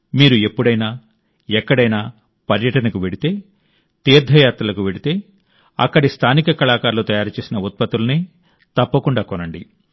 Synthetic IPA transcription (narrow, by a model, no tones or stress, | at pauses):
miːɾue̞pːuɽɐjnaː | ɛkːɐɽɐjnaː | pɐɾjɐʈɐnɐkuʋe̞ɽit̪e̞ː | t̪iːɾd̪ʱɐjaːt̪ɾɐlɐkuʋe̞ɽit̪e̞ː | ɐ̰kːɐɽist̪ʰaːnikɐkɐlaːkaːɾlut̪ɐjaːɾut͡ʃeːsinɐut̪̚pɐt̪ːulɐneː | t̪ɐpːɐkuɳɖaːkɔnɐɳɖḭ